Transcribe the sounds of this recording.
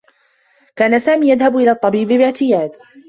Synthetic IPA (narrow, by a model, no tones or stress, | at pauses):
kaːnasaːmiːjaðhabʔɪlaːt̪ˤːɑbiːbɪbɪʕt̪ɪjaːd̪